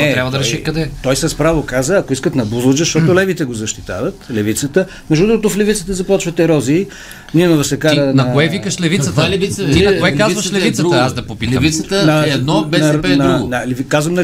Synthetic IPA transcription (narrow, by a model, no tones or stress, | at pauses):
ɛɾabvɐəd̪ɐɾɛʃikɐd̪ɛt̪ɔjsɐspɾavokazəɐkoiskət̪nɐbuzˠʊd͡ʒɛʃt̪ɔt̪ʊlɛvit̪ɛɡozɐʃt̪i̥t̪a̰vət̪lɛvit̪sət̪ə | mɛʒd̪ud̪ɾuɡot̪ʊflɛvit̪sət̪əzɐpɔt͡ʃvət̪ɛɾɔzi | ninovəsɛkaɾənɐkoɛvikəʃlɛvit̪sət̪lɛvisoɛkazvɐʃlɛvit̪səəazd̪ɐpopit̪lɛvist̪ənɐɛd̪nɔbɛnɐuɡnɐlvikazvəmnɐ